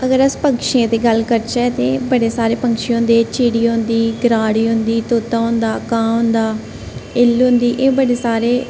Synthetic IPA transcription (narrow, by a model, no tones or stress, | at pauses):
əɡəɾəspəŋkʃiãːt̪eːɡəlkəɾt͡ʃɛːt̪ẽːbəɽeːsaːɾeːpəŋkʃijõːnd̪eːt͡ʃiːɽiːɦʊ̃nd̪iːɡəɾaːɽiːɦʊnd̪iːt̪oːt̪ãːɦʊ̃nd̪aːkãːɦʊ̃nd̪aː | ɪlɦʊ̃nd̪iːʔeːbəɽeːsaːɾeː